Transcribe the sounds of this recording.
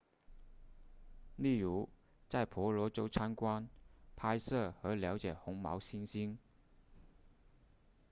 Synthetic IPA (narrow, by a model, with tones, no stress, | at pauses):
li˥˩ɻu˨˧˥ | t͡sa˥˩jpʰɔ˨˥lɔ˨˥t͡so˥wt͡sʰa˥nkwa˥npʰa˥jsɤ˥˩hɤː˨˥ljɑ˨˧˥wt͡sjɛ˨˩hʊ˨˥ŋmɑ̰˨˥wsi˥nsi˥n